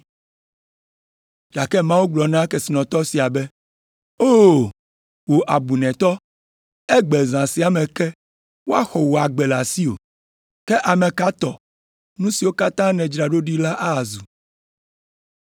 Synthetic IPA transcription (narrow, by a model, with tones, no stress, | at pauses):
d͡ʒa˨kɛ˦mã˦wu˦ɡ͡blɔ˨nã˦kɛ˨si˨nɔ̃˨t̪ɔ˦si˨a˨bɛ˦ | o˦˨ | wo˨ʔa˨bu˨nɛ̃˨t̪ɔ˦ | ɛ˦ɡ͡bɛ˨zã˨si˨a˨mɛ̃˨kɛ˦ | wo˦a˦xɔ˨wo˨a˨ɡ͡bɛ˨la˨si˦o̰˨ | kɛ˦ʔa˨mɛ̃˨ka˦t̪ɔ˨ | nũ˦si˨wo˦ka˦t̪ã˦nɛ̃˨d͡ʒɾa˨ɖo˦ɖi˦la˦ʔa˦˨zu˨